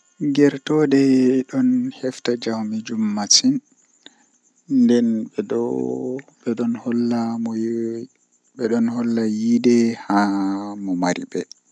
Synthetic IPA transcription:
ɡɛɾtɔdɛɗɔnhɛftad͡ʒawmid͡ʒumːatin | dɛn | ɓɛɗɔnhɔlːamɔ | bɛɗɔnhɔlːajidɛhamɔmaɾḭbɛ

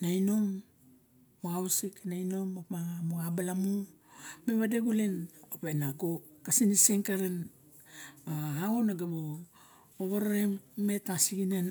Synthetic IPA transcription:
naino̞mː | oawsiknaino̞mapamoabalamu | me̞βadeɡulenopenaɡokasiniseŋkaɾen | baaonaɡamo | oβaɾaɾemme̞tasiɡinan

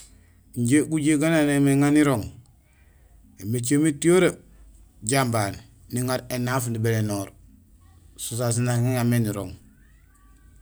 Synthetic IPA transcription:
ɲɟeɡuɟeɡananemeŋaniɾoŋ | emet͡ʃ̬emitioɾa | ɟamban | niŋaɾenafnibelenoɾ | sus̬as̬inaŋeŋameniɾoŋ

